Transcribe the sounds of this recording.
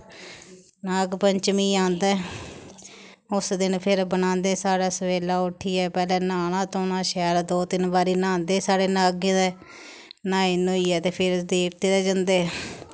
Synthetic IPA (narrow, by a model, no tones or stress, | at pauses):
naːɡpəɲt͡ʃmiːãːnd̪ɛː | ʊsd̪ɪnpʰɪɾbənãːnd̪eːsaːɽaːsəʋeːlaːʊʈʰːiːɛːpɛːlɛ̃ːnaːɽ̃ãːt̪oːnãːʃɛːɾd̪oːt̪ɪnbaːɾiːnãːnd̪eːsaːɽeːnaːɡãːd̪eː | nãːinooːiːɛːt̪eːpʰɪɾd̪eːk̚ʰt̪eːd̪eːd͡ʒə̃nd̪eː